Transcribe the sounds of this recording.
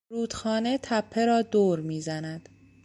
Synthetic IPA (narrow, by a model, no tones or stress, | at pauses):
ɾuːd̪xɒːne̞t̪ʰæpʰːe̞ɾɒːd̪oːɾmiːzænæd̪̥